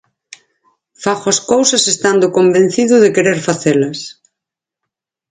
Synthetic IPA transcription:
faxʊɐskowsɐsest̪and̪ʊkombẽn̟θiðʊðɪkeɾeɾfaθelɐs

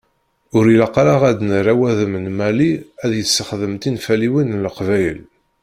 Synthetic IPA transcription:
ʊɾilɑqɾaʁæd̪nəɾæwæðəmənmæliæðjəsːəχðəmt̪infæliwinləqvæjəl

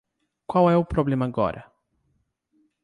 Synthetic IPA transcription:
kwawɛʊpɾoblẽmɐaɡɔ̰ɾʔɐ̰

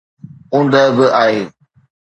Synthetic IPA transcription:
ʊ̃ːnd̪əbɪʔaːɦeː

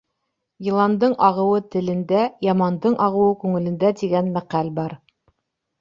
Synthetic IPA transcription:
jĭlˠɑnd̪ɤɴʔɑʁɤ̆wɤt̪ɘ̆lɘ̆nd̪æjɑmɑnd̪ɤɴʔɑʁɤ̆wɤkʉŋɘ̆lɘ̆nd̪æt̪iɡænmæqælbɑɾ

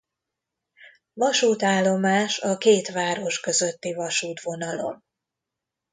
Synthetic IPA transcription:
vɒʃuːt̪aːlːo̞maːʃɒkeːt̪ʋaːɾo̞ʃkø̞zø̞t̪ːivɒʃuːt̪ʋo̞nɒlo̞̰m

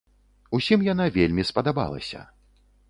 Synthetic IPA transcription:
usʲimjan̪avʲelʲmʲispɐd̪aba̰lˠɐ̰sʲɐ̰

